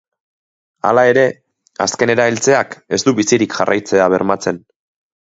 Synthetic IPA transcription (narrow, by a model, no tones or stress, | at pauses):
a̰lae̞ɾe̞ | a̰ske̞ne̞ɾaelt͡se̞ake̞zd̪uβisiɾikxarʔajt͡se̞aβ̞e̞ɾmat͡se̞n